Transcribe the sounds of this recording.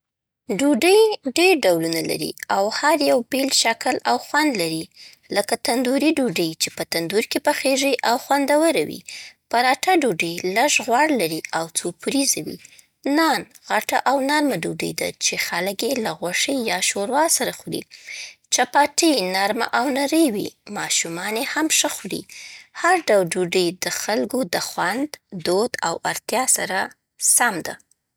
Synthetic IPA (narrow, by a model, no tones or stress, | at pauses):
ɖuɖəjɖeɾɖawlunala̰ɾḭawhaɾjawbelʃakəlawxwand̪laɾi | ləkat̪and̪uɾiɖuɖəjt͡ʃepət̪and̪uɾkepaxeʒiʔawxwand̪awəɾawḭpaɾɑʈaɖuɖəjlaʒɣwɑɽlaɾiawt͡sopuɾizawḭ | nɑn | ɣaʈaʔawnaɾmaɖuɖə̰jd̪a̰t͡ʃexalkjelaɣwaʂejɑʃoɾwɑlsaɾaxɽḭt͡ʃapɑʈənaɾma̰ʔawnaɾəjwḭmɑʃumɑnehamʂəxɽḭhaɾɖawlɖuɖəjd̪əxalɡod̪əxwand̪ːod̪awaɾt̪jɑsaɾa | samd̪a̰